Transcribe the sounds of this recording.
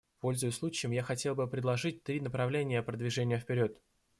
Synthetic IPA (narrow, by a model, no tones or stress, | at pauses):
po̞lʲzʊjʊsʲlˠut͡ɕɪjɪmjaxɐtʲe̞lˠbɨpɾʲɪd̪lˠɐʐɨt̚ʲt̪ɾʲinəpɾɐvlʲenʲɪjəpɾəd̪vʲɪʐɛnʲɪjəfpʲɪɾʲo̞t̪